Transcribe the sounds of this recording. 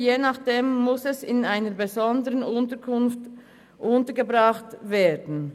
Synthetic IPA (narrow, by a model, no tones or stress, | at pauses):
jeːnaχd̥eːmːʊsɛsɪnaɪnəbezɔndəʁənʊntəkʰʊnft | ʔʊntəɡəbʁɑχtveːdn̩